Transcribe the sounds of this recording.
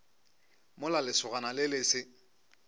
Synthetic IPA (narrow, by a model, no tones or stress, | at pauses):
mʊlalɪsʊɣanalɪlɪːsɪ